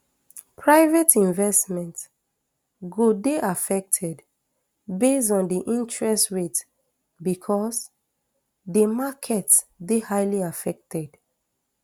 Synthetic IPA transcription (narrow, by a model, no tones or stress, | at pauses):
pʰɹaɪvɛtĩnvɛsmɛ̃nt | ɡodeʔafɛk̚tʰɛd | besdɔ̃ndiʔĩntʰɹɛstɹet | bikʰɔs | dəmakʰɛtdehaɪliafɛk̚tʰɛd̥